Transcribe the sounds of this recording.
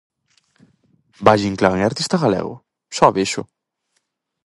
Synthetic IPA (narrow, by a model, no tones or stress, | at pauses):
baʒiŋklaŋaɾt̪ist̪aɣalɛ̰ɣʊ̰ | sɔβeʃʊ